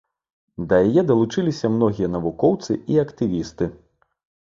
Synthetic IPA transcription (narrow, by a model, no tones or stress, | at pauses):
d̪ɐjɐjɛd̪ɐlˠut͡ʂɨlʲisʲɐmnɔɣʲijɐnɐvukɔwt̪sɨiɐkt̪ɨvʲist̪ɨ